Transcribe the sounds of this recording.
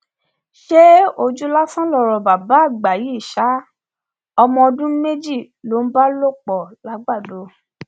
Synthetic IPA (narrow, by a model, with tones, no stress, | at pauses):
ʃe˦o˧d͡ʒu˦la˦fã˦lɔ˦˨ɾɔ˨ba˨ba˨˦˨ɡ͡ba˨ji˨˦i˦˨ʃa˨˦ | ɔ˧mɔ̃˧ɔ˧dũ˦me˦d͡ʒi˦˨ | lo˨˦n̩˦ba˦lo˦k͡pɔ˨la˨˦ɡ͡ba˦˨do˨˦